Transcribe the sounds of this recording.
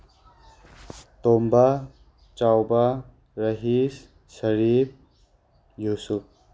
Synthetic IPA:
t̪omba | t͡ʃawba | ɾɐɦisː | əɾip̚ | juːsup̚

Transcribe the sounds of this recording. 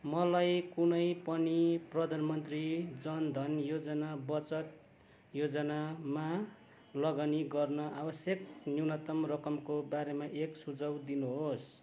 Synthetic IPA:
mʌlajkunʌjpʌniprʌd̪ʱanmʌnt̪rid͡zʌnd̪ʱʌnjod͡zʌnabʌt͡sʌt̪̚ | jod͡zʌnama | lʌɡaniɡʌrnʌʔabʌsjʌknjinʌt̪ʌmrʌkʌmkobaɾemaʔeksud͡zʌwd̪inuɦos

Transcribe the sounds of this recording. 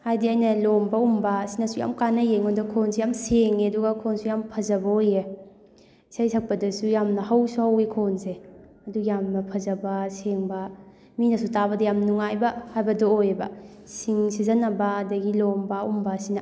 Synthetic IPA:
hajdiajnɐlombɐumbɐsinɐsuja̰mkanɐjeŋondɐkʰonsejamseŋeɐduɡɐkʰonsujampʰɐzɐbɐoje | sajsʰɐk̚pɐdɐsujamnɐhawsuhawekʰonse | ɐduijamnɐpʰɐzɐbɐseŋbɐ | minɐsutaβɐdɐjamnuŋajbɐhajbɐdɐojebɐ̰ | siŋsizɐnɐbɐːdɐɡilombɐṵmbɐsinɐ

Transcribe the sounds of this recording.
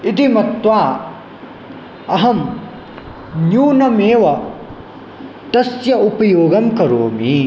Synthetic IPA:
it̪imɐt̪ʋaː | ɐɦɐm | njuːnɐmeːʋɐ | t̪ɐsjɐupɐjoːɡɐmkɐɾoːmi

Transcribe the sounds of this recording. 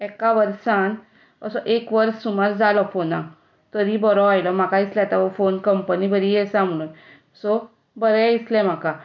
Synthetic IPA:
ɛkaʋəɾsan | əsɔʔekʋəɾsumaɾd͡zalɔfonã | t̪əɾibɔɾɔajlɔm̤akaislat̪aʋɔfonkəmpənibəɾijɛsãm̤ɽ̃uːn | sɔ | bəɾɛislɛ̃m̤aka

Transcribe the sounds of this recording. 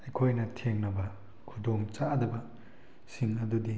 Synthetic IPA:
ɐjkʰojnɐtʰeŋnɐbɐ | kʰudoŋt͡ʃadɐbɐ | siŋɐdudi

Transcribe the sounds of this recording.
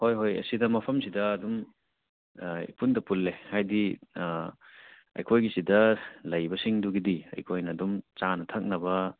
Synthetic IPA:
hojɦojɐ̰sidɐmɐpʰɐmsidɐːdum | ḭpundɐpulːehajdi | ɐ̰jkʰojɡisidɐlɐjbɐsiŋduɡidiɐ̰jkʰojnɐːdumt͡ʃanɐtʰɐk̚nɐbɐ

